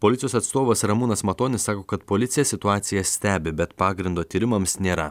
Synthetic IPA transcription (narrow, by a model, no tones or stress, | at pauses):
poːlʲɪt̪ʲɪjoːsɐt̪st̪oːʋɐsɾɐmuːnɐsmɐt̪oːnʲɪssɑːkoːkɐt̪poːlʲɪt̪sʲɪjɛsʲɪt̪ʊɑːt̪sʲɪjɛsʲt̪ʲæːbʲɪbʲɛt̪pɑːɡɾʲɪnd̪oːt̪ʲiːɾʲɪmɐmsnʲeːɾɐ